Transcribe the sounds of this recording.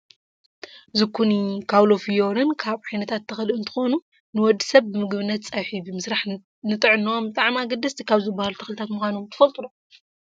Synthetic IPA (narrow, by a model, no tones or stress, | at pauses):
zɨkʰːunikʰawlofijoɾɨnkʰaβħajnɐt̪ʰat̪ʰːɐxlɨɨnt̪ʰɨ̥xonu | nɨwɔd̪ːisɐβːɨmɨɡβɨnːɐt̪̚t͡sʼajħibɨmɨsɾaħ | nɨt̪ʼɨʕɨnːombɨt̪ʼaʕmiaɡɐd̪ɐst̪ʰikʰaβzɨbahalut̪ʰɐ̥xlɨt̪ʰat̪mɨxʷanomt̪ʰɨ̥fɐlt̪ʼulo